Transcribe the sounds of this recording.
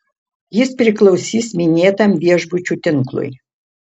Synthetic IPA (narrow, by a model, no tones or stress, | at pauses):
jɪspʲɾʲɪklˠɒʊsʲiːsmʲɪnʲeːt̪ɐmʋʲiɛʒbʊt͡ʃʲut̪ʲɪŋˑklˠʊ̰j